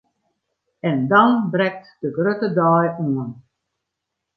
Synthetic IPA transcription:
ɛndɔnbrɛk̚td̥əɡrøtədɔːjuən

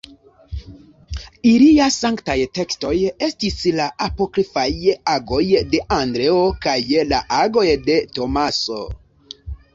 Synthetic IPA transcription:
iliasaŋktajte̞ksto̞je̞stislaʔapo̞kɾifajaɡo̞jde̞ʔandɾe̞okajlaʔaɡo̞jde̞to̞maso̞̰

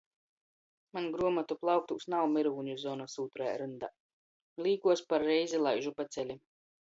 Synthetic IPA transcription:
manɡɾuɔmat̪uplˠawk̚t̪uːsnawmiɾuːɲuzɔːnasuːt̪ɾaj̰ɾɨnd̪a | lʲˠiːkuɔspaɾːɛjzilˠajʒupat̪sɛlʲi

